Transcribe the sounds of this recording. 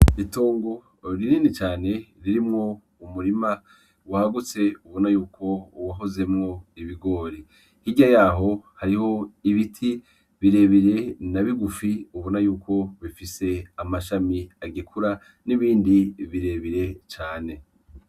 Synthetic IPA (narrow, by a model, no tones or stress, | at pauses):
ito̞ːŋɡo̞ | ɾininit͡ʃaːne̞ɾiɾimŋo̞ | umuɾima | wahaɡut͡se̞uβonajuːkʰo̞waɦo̞ze̞mŋo̞iβiɡo̞ːɾi | hiɟajaːɦo̞haɾiho̞iβitʰi | βiɾe̞βiɾe̞naβiɡufiuβonajuːkʰo̞βifise̞amaʃamiaɡikʰuɾa | niβiːndiβiɾe̞βiɾe̞t͡ʃaːne̞